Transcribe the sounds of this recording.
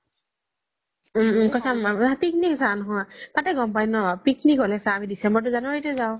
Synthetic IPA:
kɔsamapikniksanɔɦɔjtatɛɡɔmpajnɔbapiknikɦolɛsaːmidisɛmbɔɹt̬ʊzanʊetʊzaʊ̃

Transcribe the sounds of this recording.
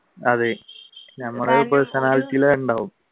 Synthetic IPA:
ɐðenɐmːɐɽeipːoːɭsɐnaːlit̪ːijileuɳɖaːʋum

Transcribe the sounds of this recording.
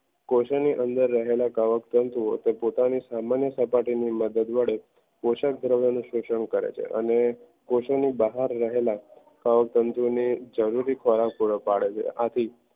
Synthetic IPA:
koʃəniʔənd̪əɾːəɦelakaʋəkt̪ənt̪uo̰t̪epot̪anisamanjəsəpaʈiniməd̪əd̪ʋəɽe | koʃək̚d̪ʱɾəʋjanũʃuʃəɳkəɾḛt͡ʃʰḛʔə̰ne | koʃənibəɦaɾːəɦela | kaʋək̚t̪ənt̪unid͡ʒəɾuɾikʰɔɾapuɽəpaɭet͡ʃʰḛʔat̪ʰi

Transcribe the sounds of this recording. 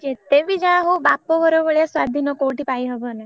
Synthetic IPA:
d͡ʒet̪eʋid͡ʒaɦũbapoɦɔɾoʋəɭjaswad̪ʱinɔkowʈipajɦɔʋəne

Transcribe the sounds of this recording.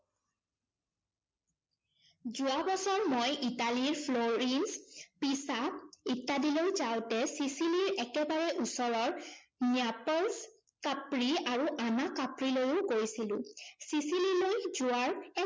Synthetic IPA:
zuabɔsɔɹmojʔitaliɹpʰloɹinspisaitːadilojzawtɛsisiliɹɛkɛbaɹɛʔusɔɹɔɹniapɔls | kapɹiaɹuʔanakapɹilojokoɹisilʊ̃sisililojzuaɹɛ

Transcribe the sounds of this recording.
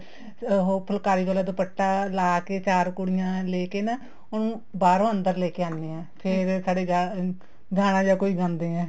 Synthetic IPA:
ɦoːpʰəlkaːɾiːɡəːlaːd̪oːpəʈːaːlaːkeːt͡ʃaːɾkʊɽɪjãːleːkeːnaː | oːnũː | baːɾõːənd̪əɾleːkeːãːneːɛ̃ːpʰɪɾsaːɽeːa | ɡaːɽ̃ãːd͡ʒaːkoːiːɡãːnd̪eːɛ̃ː

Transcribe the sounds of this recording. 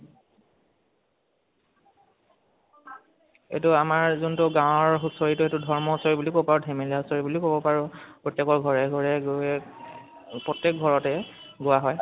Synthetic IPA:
ḛtʊamaɹzuntʊɡãwɔɹɦusoɹitʊetudʱɔɹmɔsɔɹibulikopaɹudʱemeliaɦusoɹibulikobɔpaɹʊpɹotːjekɔɹɡʱɔɹɛɡʱɔɹɛɡɛ | pɹɔtjɛk̚ɡʱɔɹɔtɛ | ɡʊwaɦɔj

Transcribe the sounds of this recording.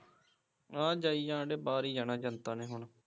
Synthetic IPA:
ãːd͡ʒaːiːjãːɖeːbaːɾiːd͡ʒanaːd͡ʒãːnt̪aːnẽːɦʊɳ

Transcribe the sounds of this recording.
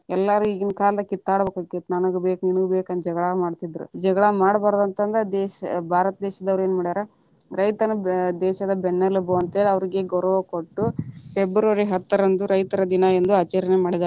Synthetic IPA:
ɛlːaɾuiɡinkaːld̪ɐkit̪ːaːɽbeːkaket̪nɐnɐɡubeːkniɳuɡubeːkɐnd̪d͡ʒɛɡɐɭamaːɽt̪id̪ɾṵd͡ʒɛɡɐɭamaːɽɐbaːɾd̪ɐnt̪ɐnd̪ɐd̪ɛːʃɐbʱaːɾɐt̪ɐd̪ɛːʃɐd̪ɐʋɾeːnmaːɽid̪aːɾɐ | ɾɐjt̪ɐnɐd̪ɛːʃɐd̪ɐbɛnːɐluboːɐnt̪eːlɐʋɐɾiɡeɡoɾɐʋɐkoʈːupebɾoɾiɦɐt̪ːɐɾɐnd̪uɾɐjt̪ɐɾɐd̪inɐend̪uaːt͡ʃɛɾɐnemaːɽid̪aːɾ

